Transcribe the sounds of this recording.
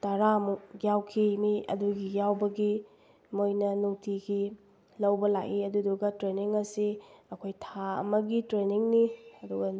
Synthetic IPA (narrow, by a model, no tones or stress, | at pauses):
tɐɾamuɡjawkʰimiɐ̰duɡijawbɐɡi | mojnɐnuŋtʰiɡi | lɐwbɐlakiɐduduɡɐtɾeniŋɐsiɐkʰojtʰaɐ̰mɐɡitɾeniŋniɐduɡɐ